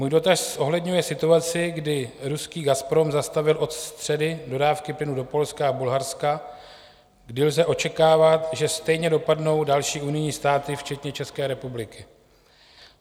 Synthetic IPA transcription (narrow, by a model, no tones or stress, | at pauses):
muːjdo̞t̪aʃsʔo̞ɦlɛdɲujɛsɪt̪uat͡sɪɡdɪɾuskiːɡaspɾo̞mzast̪avɪlʔo̞t̪st̪r̝̥ɛdɪdo̞daːfkɪplɪnudo̞po̞lskaabulɦaɾska | ɡdɪlzɛʔo̞t͡ʃɛkaːvat̪ʒɛst̪ɛjɲɛdo̞padno̞wdalʃiːunɪjɲiːst̪aːt̪ɪft͡ʃɛt̪ɲɛt͡ʃɛskɛːɾɛpublɪkɪ